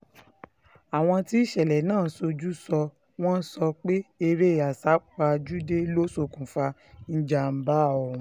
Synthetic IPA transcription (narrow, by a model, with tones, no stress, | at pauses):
a˨w̃ɔ̃˧ti˦i˦ʃɛ˨lɛ˨nãː˦˨˦so˧d͡ʒu˦sɔ˧ | w̃ɔ̃˦n̩˦sɔ˧k͡pe˦e˧ɾe˦˨a˨sa˨˦k͡pa˧d͡ʒu˦de˦lo˦so˨kũ˨fa˧ | n̩˦d͡ʒa˨m̩˨˦ba˦˨ɔ˨˦